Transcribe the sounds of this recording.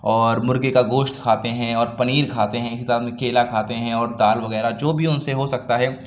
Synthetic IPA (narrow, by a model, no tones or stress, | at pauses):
ɔːɾmʊɾɡekaɡoːʃt̪kʰaːt̪eɦɛ̃ɔːɾpɐniːɾkʰaːt̪eɦɛ̃ɪsit̪ɐɾəmẽkʰeːlakʰaːt̪eɦɛ̃ɔːɾd̪aːlʋɐɣɛːɾad͡ʒoːbʱiʊnseɦosɐk̚t̪aɦɛː